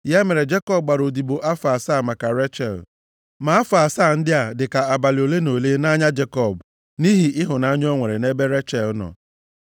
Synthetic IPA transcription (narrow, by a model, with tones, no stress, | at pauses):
ja˦me˨ɾe˨d͡ʒe˦kɔ˦b̚ɡ͡ba˨ɾo˨di˨bo˨ʔa˦faː˨sa˦˨ma˨ka˨ɾe˦t͡ʃɛ̰˨l | ma˨a˦fa˨saː˦˨n̩˦dɪ˦a˨dɪ˨ka˨a˨ba˨lɪ˨o˨le˦no˨le˦na˦ɲa˦d͡ʒe˦kɔ˨b | ni˦ɦi˨ʔɪ˦ɦʊ˨na˦ɲ˦o˦ŋʷe˨ɾe˨ne˦be˦ɾe˦t͡ʃɛ˨lnɔ̰˨